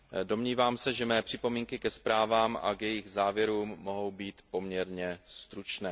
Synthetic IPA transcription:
do̞mɲiːvaːmsɛʒɛmɛːpr̝̥ɪpo̞miːŋkɪkɛspɾaːvaːmʔa̰kjɛjɪɣzaːvjɛɾuːmːo̞ɦo̞wbiːt̪po̞mɲɛɾɲɛst̪ɾut͡ʃnɛː

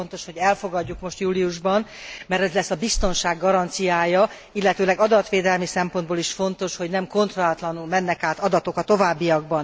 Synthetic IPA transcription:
ont̪o̞ʃho̞ɟɛlfo̞ɡɒɟːukmo̞ʃt̪juːliuʒbɒn | mɛrt̪ɛzlɛsːɒbist̪o̞nʃaːɡːɒɾɒnt̪sijaːjɒ | ilːɛt̪øːlɛɡɒd̪ɒt̪ʋeːd̪ɛlmisɛmpo̞nd̪boːliʃfo̞nt̪o̞ʃho̞ɟnɛmko̞nt̪rolat̪lɒnulmɛnːɛkaːt̪ɒd̪ɒt̪o̞kɒt̪o̞vaːbːijɒɡ̚bɒn

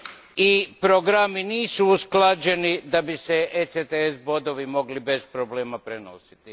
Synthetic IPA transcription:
ipɾoɡɾaminiːsuusklad͡ʑe̞nid̪abiseʔeset̪eesbo̞d̪o̞ʋimo̞ɡlibe̞spɾobleːmapɾeno̞̰sit̪i

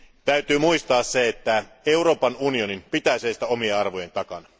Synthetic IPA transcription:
t̪æyt̪yːmuist̪ɑːsseet̪ːæe̞uɾo̞ːpɑnunio̞nimpit̪æseːst̪æo̞mieɑrʋo̞je̞nt̪ɑkɑnɑ

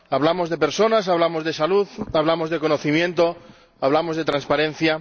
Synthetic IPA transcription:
aβ̞lamo̞zðe̞pe̞ɾso̞nas̬aβ̞lamozðe̞saluðaβlamozðe̞ko̞noθimjẽ̞nt̪o̞ | aβlamozðe̞t̪ɾanspaɾẽ̞n̟θja

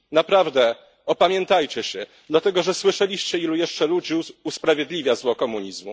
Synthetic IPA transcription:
napɾavd̪ɛ | ɔpamʲjɛnt̪ajt͡ɕɛɕɛ | d̪lat̪ɛɡɔʐɛswɘʂɛlʲiɕt͡ɕɛilujɛʂt͡ʂɛlud͡ʑiuspɾavʲjed̪lʲivʲjazwɔkɔmuɲizmṵ

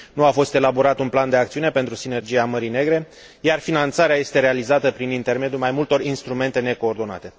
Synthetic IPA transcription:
nuafo̞st̪e̞labo̞ɾat̪unpland̪e̞akt̪siunepe̞nt̪ɾusine̞rd͡ʒiaməɾine̞ɡɾe̞ | jarfinant̪saɾeaje̞st̪e̞ɾe̞alizat̪əpɾinint̪e̞rme̞d̪julmajmult̪o̞rinst̪ɾume̞nt̪e̞ne̞ko̞ːrd̪o̞na̰t̪e̞

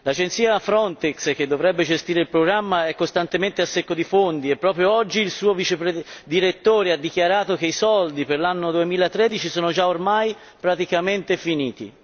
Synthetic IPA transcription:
lad͡ʒent̪siːafɾɔnt̪ɛksk̟ed̪ːovɾɛbːed͡ʒest̪iːɾeilpɾoɡɾamːaɛkːost̪ant̪ement̪easːekːod̪ifond̪iepːɾɔːpɾjoɔd͡ʒːiːlsuːovit͡ʃepɾed̪iɾet̪ːoːɾead̪ːikjaɾaːt̪ok̟eisɔld̪iperlanːod̪uemiːlat̪ɾɛːd̪it͡ʃisoːnod͡ʒaormaj | pɾat̪ikament̪efiniːt̪ḭ

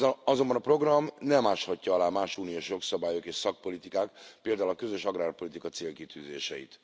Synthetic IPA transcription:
ɒzo̞mbɒnɒpro̞ɡrɒmnɛmaːʃhɒcːɒɒlaːmaːʃuːnijoːʃjo̞ksɒbaːjokeːʃsɒk̚po̞lit̪ikaːkpeːld̪aːulɒkø̞zø̞ʃɒɡraːrpo̞lit̪ikɒt̪seːlkit̪yːzḛːʃɛ̰jḭt̪

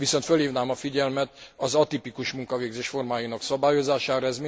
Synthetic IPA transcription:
ʋiso̞nt̪følhiːvnaːmɒfiɟɛlmɛt̪ɒzɒt̪ipikuʃmuŋkɒveːɡzeːʃfo̞rmaːjinɒksɒbaːjo̞zaːʃaːɾɔɛzmi

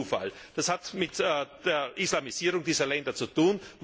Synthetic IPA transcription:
uːfa̰ld̥ashatmɪtːd̥eːɐʔislamiziːʁʊŋdiːzɐlɛndɐt͡sutuːnm

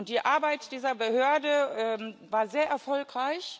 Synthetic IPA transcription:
ʊntd̥iːʔaɐbaɪtd̥iːzɐbəhøɐdəʔɛːmvaːɐzeːɐʔɛɐfɔlkʁ̥aɪç

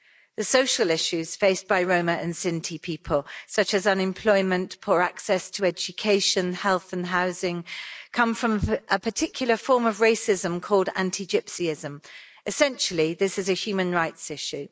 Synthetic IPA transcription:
ðəsəʊʃəlɪʃʉz̥feɪsb̥aɪɹə̃ʊ̃məʔə̃nsɪ̃ntʰipʰiˑpʰəlˠsʌt͡ʃəzʌ̃nɪ̃mpʰl̥ɔɪmə̃npʰɔːɹaksɛstʰəɛd͡ʒɨkʰeɪʃə̃nhɛlˠθə̃nɦaʊzɪ̃ŋkʰʌ̃ɱfɹə̃mʔəpʰətʰɪkʰjl̩ˠəfɔːməvɹeɪsɪzə̃mkʰɔːlˠdã̰ntʰid͡ʒɪpsiɪzə̃m | ɪsɛ̃nʃəliðɪsɪzəhjʉːmə̃nɹaɪtsɪʃʉ

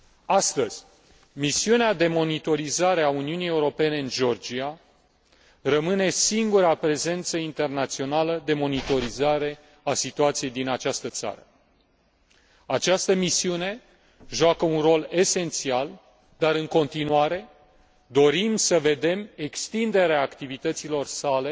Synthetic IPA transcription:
ast̪əz̥ʲ | misiunead̪e̞mo̞nit̪o̞ɾizaɾeauniunije̞uɾo̞pe̞ne̞ɨnʒeo̞rd͡ʒia | rəmɨne̞siŋɡuɾapɾe̞ze̞nt̪səint̪e̞rnat̪sio̞naləd̪e̞mo̞nit̪o̞ɾizaɾe̞ | asit̪uat̪sije̞jd̪inat͡ʃast̪ət̪sa̰ɾə | at͡ʃast̪əmisiune̞ | ʒuakəunro̞le̞se̞nt̪sial | d̪aɾɨŋko̞nt̪inuaɾe̞ | d̪o̞ɾimsəve̞d̪e̞me̞kst̪ind̪e̞ɾeaːkt̪ivit̪ət̪silo̞rsale̞

